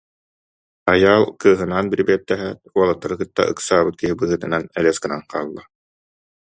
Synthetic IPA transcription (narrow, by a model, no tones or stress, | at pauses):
ajaːlˠkɯːɦɯnaːnbiɾbiɛt̪ːɛɦɛuɔlˠat̪ːaɾɯkɯt̪ːa̰ʔɯ̰ksaːbɯt̪̚kiɦibɯːɦɯt̪ɯnanɛlɛskɯnanqaːlˠːa